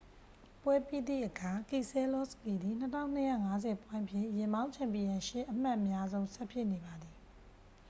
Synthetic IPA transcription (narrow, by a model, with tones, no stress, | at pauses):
pwɛ˦pi˦˨d̪ḭ˦˨ʔəkʰa˨ki˨sɛ˦lɔ˦˨spi˨d̪ði˨n̥ətʰã˦˨ʊ̃n̥əjä̰˦˨ŋa˦zɛ˨pwã˦ʔəpʰjɪ̰̃˦˨jɪ̃˨mbã˦ʊ̃ɲt͡ɕʰã˨mpi˨jã˨ʃɪ˦˨ʔəm̥a˦ʔəmja˦zõ˦ʊ̃sɛ˦pʰjɪ˦ʔne˨ba˨d̪ði˨